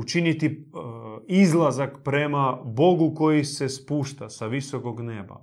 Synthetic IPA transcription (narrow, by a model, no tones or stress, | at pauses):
ut͡ʃinit̪i | izlˠazakpɾe̞mabo̞ɡuko̞jise̞spuːʃt̪asaʋisokoɡneːba̰